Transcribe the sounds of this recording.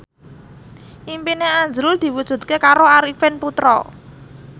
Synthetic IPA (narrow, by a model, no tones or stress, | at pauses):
ʔimpineaɲd͡ʒɾʊld̪̥i̤wud̥ʒ̥ṳt̪̚kekaɾoaɾifɪnput̪ɾɔ̰